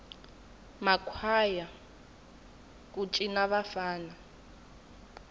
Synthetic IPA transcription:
makʰwaja | k̬ʼut͡ʃʼinaβafaːna

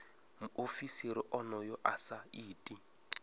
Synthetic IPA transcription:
muʔofisiɾiʔɔnɔjɔʔasaiːtʼi

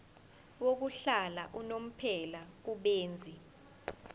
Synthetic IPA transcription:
wok̬uɬalaʔunom̩pʰɛlak̬uɓeːnd͡zʱi

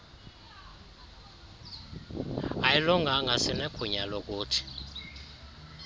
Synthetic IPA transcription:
ajilɔŋɡʱaŋɡʱasinɛkʰuɲalok̬ʼuːtʰi̥

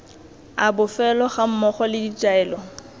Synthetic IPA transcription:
abʊfɛlɔχam̩mɔχɔlɪdit͡ʃʼaɛːlɔ

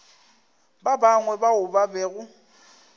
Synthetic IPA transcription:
babaŋwɛbaʊbabɛːɣʊ

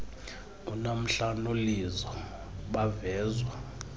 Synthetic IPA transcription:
unam̩ɬanolizɔ | ɓavɛːzwa

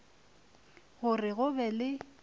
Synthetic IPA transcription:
ɣʊrɪɣʊbɛlɪ

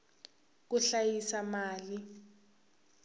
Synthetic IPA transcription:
k̬uɬajisamaːli

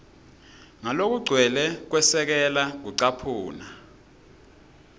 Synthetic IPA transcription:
ŋalok̬uɡ͡ǀʱwɛlɛk̬wɛsɛk̬ɛlak̬uǀapʰuːna

